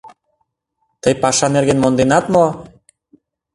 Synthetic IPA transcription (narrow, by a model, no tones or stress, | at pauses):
t̪əjpɑʃɑneɾɣenmond̪enɑt̪mo